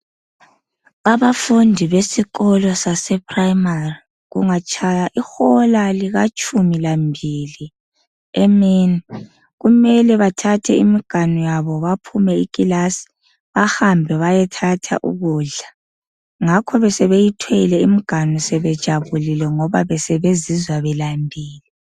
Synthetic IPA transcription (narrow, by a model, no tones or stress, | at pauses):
aβafundʱiβesiɣɔlɔsasɛpʰʼraimari | ɣṵŋat͡ʃʰʼajaʔixɔlaliɣat͡ʃʰʼumilambʱili | emini | ɣumɛlɛβatʰatʰɛimiɡ̥ʱanujaβɔβapʰumɛikʼilasi̥ | βahambʱɛβajɛtʰatʰa̰ʔṵɣuːɮa | ŋakʰɔβɛsɛβejitʰwɛlɛimiɡ̥ʱanusɛβɛd̥ʒ̥ʱaβulilɛŋɔβaβɛsɛβezizwaβɛlambʱiːli